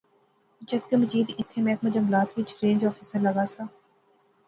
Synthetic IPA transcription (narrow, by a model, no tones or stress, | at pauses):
t͡ʃɐt̪kemɐd͡ʒiːd̪ɪt̪ʰːemɛːkmɐd͡ʒɐmlaːt̪ʰʋɪt͡ʃɾẽːɲd͡ʒɔːfɪsəɾlɐɡaːsaː